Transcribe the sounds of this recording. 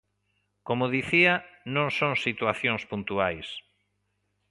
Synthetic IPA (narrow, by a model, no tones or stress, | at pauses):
komʊðiθianõŋsõŋsit̪waθjõŋspunt̪uajs